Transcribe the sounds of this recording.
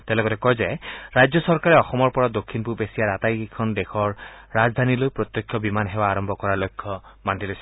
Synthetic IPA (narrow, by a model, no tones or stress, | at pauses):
t̪elɔkɔtɛkɔjzajɾajd͡ʒjɔsɔɹkaɾɛɔxɔmɔɹpɔɹad̪okʰːinpubesijaɾat̪ajkʰɔnd̪ekʰɔɹːazd̪ʱanilojpɹɔt̪jɔkʰjɔbimanɦebaːɹɔmbʱɔkɔɹalojkʰːɔmandilojs